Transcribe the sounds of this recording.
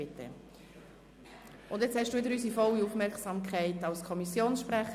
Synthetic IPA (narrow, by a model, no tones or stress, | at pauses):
ɪtʰːə̰ | ʔʊnd̪jɛt͡shɛʃd̥uːʋɪdəɾyːs̬ifɔliufmɛɾksɑmkʰæɪtɑʊskʰɔmisjoːnsʃpræχ